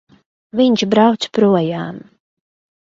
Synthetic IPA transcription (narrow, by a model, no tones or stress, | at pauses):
viɲt͡ʃbɾawt̪spɾuɔjaːm